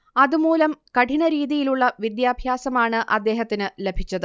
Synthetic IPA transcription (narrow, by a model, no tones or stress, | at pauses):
ɐðumuːlɐmkɐʈinɐɾiːðijiluɭːɐʋid̪jaːbʱjaːsɐmaːɳɨʔɐd̪ːe̞ːɦɐt̪ːinɨle̞bʱit͡ɕːɐðɨ